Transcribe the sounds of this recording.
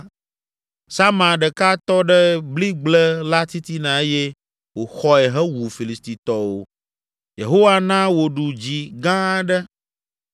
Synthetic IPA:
sa˦mã˨ɖɛ˨ka˦t̪ɔ˦ɖɛ˦bli˦ɡ͡blɛ˦la˦t̪i˦t̪i˦nã˨e˦je˦ | wo˨xɔ˦ɛ˨ɦɛ˦wu˨fi˨li˨st̪i˨t̪ɔ˨wo̰˦ | jḛ˨ɦo˦wa˦nã˦wo˨ɖu˨d͡ʑi˨ɡã˦ɖɛ˦

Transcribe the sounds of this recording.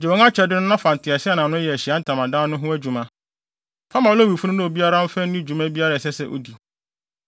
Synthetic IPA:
d͡ʑɛ˨ɛ̃˨˦ŋã˦t͡ɕʰᶣɛ˨dɪ˦nʊ̃˦nã˦fã˨n˨tʰɪ˨a˨sɪ˦a˦˨nã˨nʊ̃˦ɛ˨æ˨ɕi˨a˦n̩˦tʰã˨mã˨dã˦nʊ̃˦ɦʊ̃˦æ˦d͡ʑu˨mã˦ | fã˦mã˨o˦o˦˨wi˨fu˦ʊ̃˦nʊ̃˦o˨bi˦a˦ɾa˦n̩˦fɛ̃˦ĩ˦d͡ʑu˨mæ̃˦bi˦a˦ɾa˦˨ɛ˨sɛ˦sɛ˦ʔo̰˨di˨

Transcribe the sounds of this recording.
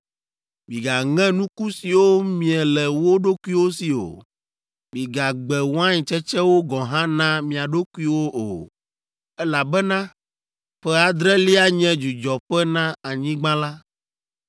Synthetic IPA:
mĩ˨ɡa˨ŋɛ̃˦nũ˦ku˦si˨wo˦mĩ˨ɛ˨lɛ˨wo˦ɖo˦ku˦i˦wo˦si˨o̰˨ | mĩ˨ɡa˨ɡ͡bɛ˨wɔ˦ã˦ɲĩ˨t͡ʃɛ˦t͡ʃɛ˦wo˦ɡɔ̃˨ɦã˦nã˦mĩ˨a˨ɖo˦ku˦i˦wo˦ʔo̰˨ | ɛ˦la˨bɛ˦nã˦ | ɸɛ˦a˨d̪ɾɛ˦li˦a˦ɲɛ̃˦d͡ʒu˨d͡ʒɔ˨ɸɛ˦nã˦a˨ɲĩ˦ɡ͡bã˦la˦

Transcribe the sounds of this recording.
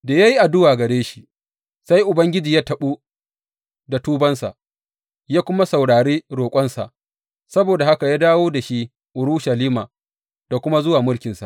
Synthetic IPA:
daː˨ja˦ji˦ʔa˨dʊ˦waː˨ɡɐ˨ɽeː˦ʃi̥˦ | sa˦jʔʊ˨bɐ˦ŋɡʲɪ˦d͡ʒiː˨jaː˦tɐ˨ɓuː˦ | da˨tuː˦bɐ˦nsa̰˨ʔ | jaː˦kʷʊ˦ma˦sa˨wɽaː˨ɾeː˦ɽoː˨kʷʼɐ˦nsa̰˨ʔ | sɐ˦boː˨da˨ha˦ka˨jaː˦daː˦woː˦da˨ʃi˦ | ʔʊ˨ɾʊ˦ʃɐ˨liː˦ma̰ː˨ | d̥a˨kʷʊ˦ma˦zʊ˦waː˨mʊ˦lkʲɪ˨nsa̰˨ʔ

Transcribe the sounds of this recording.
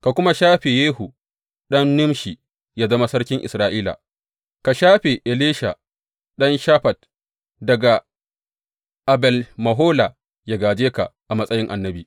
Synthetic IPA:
ka˨kʷʊ˦ma˦ʃaː˦ɸe˨jeː˦ɦu˨ | ɗɐ˦nːʊ˦mʃi˨ | ja˦zɐ˦ma˦sɐ˦rkʲɪ˦ŋʔɪ̰˨sɾaː˦ʔiː˦la̰ː˨ | ka˨ʃaː˦ɸe˨ʔe˨leː˦ʃa̰˨ | ɗɐ˦nʃa˦ɸɐ˨t̚ | dɐ˨ɡa˨ | ʔa˨bɛ˨lmɐ˨ɦoː˦la˨ | ja˨ɡaː˨d͡ʒeː˦ka̰˨ʔa˨mɐ˦sʼɐ˦jɪ˦ŋʔa˨nːɐ˦biː˨

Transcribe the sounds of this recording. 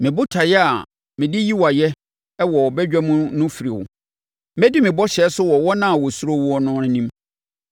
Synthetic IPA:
mɪ̃˨bʊ˦tʰa˨jɛ˦a˨ | mɪ̃˨dɪ˦ji˦wa˨jɛ˦ | ɛ˦wɔ˨wɔ˨bɛ˦d͡ʑᶣa˦mũ˦nʊ̃˦fi˨ɾi˨wʊ̰˨ | mɛ˦dɪ˦mɪ̃˨bɔ˦ɕɛ˦sʊ˦wɔ˨wɔ˦nã˦a˨wɔ˨su˦ɾo˦wɔ˦˨nʊ̃˦nɪ̃˦nĩ˦m

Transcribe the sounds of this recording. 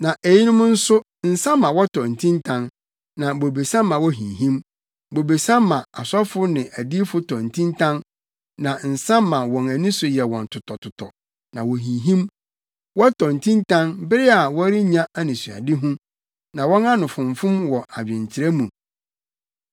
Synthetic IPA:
nã˨ʔe˨ji˦nʊ̃˦mʊ̃˦n̩˦sʊ˦ | n̩˨sã˦mːã˨wɔ˦tʰɔ˨n̩˨tʰĩ˦ntʰã˦n | nã˨bo˨be˨sã˦mːã˨wɔ˦ɦĩ˨ɦĩ˦m | bo˨be˨sã˦mːã˨a˨sɔ˦fʊ˦nɪ̃˨ʔæ˨di˦fʊ˦tʰɔ̃˨n̩˨tʰĩ˦ntʰã˦n | nã˨n̩˨sã˦mːã˨wɔ̃˨næ˨nĩ˦sʊ˨jɛ˨wɔ̃˨n˨tʰʊ˨tʰɔ˨tʰʊ˨tʰɔ˨ | nã˨wo˨ɦĩ˨ɦĩ˦m | wɔ˦tʰɔ˨n̩˨tʰĩ˦ntʰã˦nbɪ˦ɾɪ˦a˨wɔ˦ɾi˦ɲã˦a˦nɪ̃˨su˨a̰˨dɪ˦ɦũ˦ | nã˨wɔ̃˦na˦nʊ̃˨fʊ̃˨ɱfʊ̃˦mwɔ˨ʔa˨d͡ʑᶣɪ̃˨ɲt͡ɕʰɪ˨ɾɛ˦mũ˨

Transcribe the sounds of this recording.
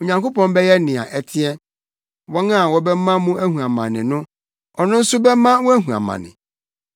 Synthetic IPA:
o˨ɲã˨ŋko˦pɔ̃˦m˦bɛ˦jɛ˦nɪ̃˨a̰˨ʔɛ˨tʰɪ˦ɛ˦ | wɔ˦n˦a˦˨wɔ˨bɛ˦mã˦mũ˦æ˦hũ˨a˨mã̰˨nɪ̰̃˨nʊ̃˦ | ɔ˨nʊ̃˦n̩˦sʊ˦bɛ˦mã˦wɔ̃˦æ˦ɦũ˨a̰˨mã̰˨nɪ̰̃˨

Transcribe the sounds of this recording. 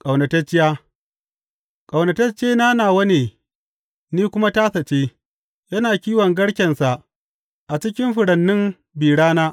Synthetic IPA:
kʼa˨wnɐ˨tɐ˦t͡ʃːɪ˦jaː˦ | kʼɐ˨wnɐ˨tɐ˦t͡ʃeː˦naː˦naː˨wɐ˦neː˨ | niː˦kʷʊ˦ma˦taː˦sɐ˨t͡ʃeː˦ | jɐ˦naː˨kʲiː˦wɐ˨ŋɡɐ˦ɽkʲɛ˨nsa˨ʔ | ʔa˨t͡ʃɪ˦k̬ʲɪ˦mɸʊ˨ɽɐ˨nːɪ˦m | biː˨ɽaː˦naː˦

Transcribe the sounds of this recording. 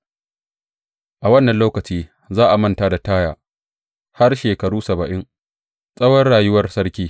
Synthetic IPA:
ʔa˨wɐ˦nːɐ˨nloː˦kɐ˨t͡ʃiː˦ | zaː˦ʔa˨mɐ˦ntaː˦da˨taː˦jaː˨ | ha˦rʃeː˨kɐ˨ɽuː˦sɐ˨bɐ˨ʔɪ˦ŋ | sʼɐ˦wɐ˦rɽaː˨jʊ˦wɐ˦rsɐ˦rkʲiː˦

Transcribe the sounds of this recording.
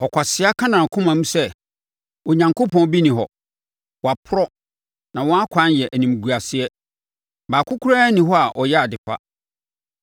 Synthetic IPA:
ɔ˨kʷʰa˨sɪ˦a˦kʰã˦nã˨kʰʊ̃˦mã˨˦mũ˦sɛ˦ | ɔ˨ɲã˨ŋko˦pɔ̃˦n˦bi˦nĩ˨ɦɔ̰˨ | wa˨pʰʊ˦ɾɔ˦ | nã˨wɔ̃˦a˦kʰã˦n˦jɛ˨ʔæ˨nĩ˨m˨ɡu˨a˨sɪ˦ɛ˦ | baː˨kʰʊ˦kʰu˦ɾaː˦nĩ˨ɦɔ˦a˨ʔɔ˨jɛ˦a˨dɪ˨fa̰˦

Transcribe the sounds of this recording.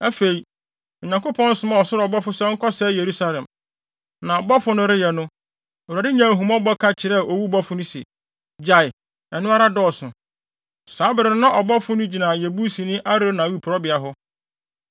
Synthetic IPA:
ɛ˦fe˨i˨ | ɔ˨ɲã˨ŋkʊ˦pʰɔ̃˦n̩˦sʊ˦mã˦ɔ˨sʊ˦ɾɔ˨bɔ˦fʊ˦sɛ˦ŋ̩˦kʰɔ˦sɛ˦je˨ɾu˦sa˦lɛ̃˨m | nã˨ɔ˨bɔ˦fʊ˦nʊ̃˦ɾɪ˦jɛ˨nʊ̃˦˨ | a˨ɾɪ˦ɲã˨ɦũ˨mɔ̃˦bɔ˦kʰa˦t͡ɕʰɪ˨ɾɛ˦˨ʔo˨wu˦bɔ˦fʊ˦nʊ̃˦sɛ̰˨ | d͡ʑa˨ɪ˨ | ɛ˨nʊ̃˦a˦ɾa˦dɔ˦˨sʊ̃˨ | saː˨˦bɪ˨ɾɪ̃˨˦nã˦ʔɔ˨bɔ˦fʊ˦nʊ̃˦d͡ʑi˨nã˨jɛ˨bu˦sĩ˨nɪ̃˦ʔa˦ɾɪ˦nã˨u˦˨pʰʊ˨ɾɔ˦bɪ˨a˨ɦʊ˦

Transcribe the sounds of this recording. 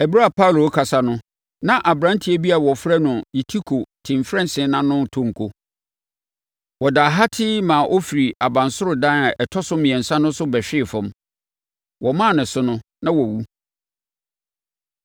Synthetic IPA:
ɛ˨bɾa˦˨pʰa˦˨lo˨˦kʰa˨sa˨nʊ̃˦ | nã˦ʔa˨bɾã˦n˦tʰi˦æ˦bi˦a˨wɔ˨fɾɛ˦nʊ̃˨ji˨tʰi˦kʰo˨tʰɪ̃˨m˨fɾɛ̃˦nsɪ̃˨˦nã˦nʊ̃˦˨tʰõ˦ŋ̩˨kʰo˦ | wɔ˨da˨ɦa˦tʰɪ˦mãː˨ʔɔ˦fi˨ɾi˨a˨bã˨nsʊ˦ɾʊ˨dã˦a˨ʔɛ˨tʰɔ˦sʊ˦mĩ˨ɛ̃˨n̩˨sã˦nʊ̃˦sʊ˦bɛ˨ɕᶣɪ˦˨fʊ̃˨m | wɔ˨mã˦˨nɪ̃˨sʊ˦nʊ̃˦ | nã˦wɔ˨wu˦

